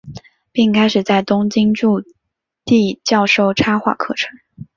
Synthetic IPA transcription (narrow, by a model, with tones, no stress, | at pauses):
pi˥˩ŋkʰa˥ɪʂɻ̩˨˩t͡sa˥˩ɪt̪ʊ˥ŋt͡ɕi˥ŋʈ͡ʂu˥˧ | t̪i˥˧t͡ɕjɑ˥˧ʊʂo˥˧ʊʈ͡ʂʰa˥xwa̰˥˩kʰɤ̰˥˩ʈ͡ʂʰɤ˧˥ŋ